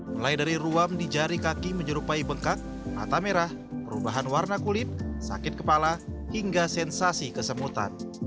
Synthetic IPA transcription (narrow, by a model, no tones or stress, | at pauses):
məlajdaɾiɾuamdid͡ʒaɾikakiməɲəɾupaibəŋkak̚ | ma̰t̪ameɾah | pəɾubaɦanwarnakulɪt̪̚sa̰kɪt̪̚kəpalahiŋɡasɛnsasikəsəmut̪a̰n